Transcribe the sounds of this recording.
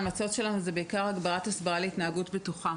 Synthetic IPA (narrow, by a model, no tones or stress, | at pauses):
mat͡so̞tʃe̞lanuzebeikaʁaɡbaʁatasbaʁaleitnaaɡutbetuχa